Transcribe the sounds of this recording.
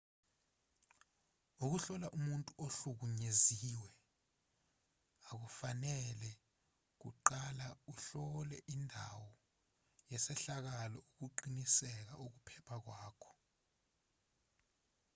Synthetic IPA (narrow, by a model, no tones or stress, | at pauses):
uk̬uɬɔlaʔumuntʼuoɬuk̬uɲeziwɛ | ak̬ufanɛlɛ | k̬ṵǃalauɬɔlɛʔindʱa̰wɔ | jɛsɛɬak̬alɔuk̬uǃinisɛk̬a̰ʔuk̬upʰɛpʰak̬waːkʰɔ̥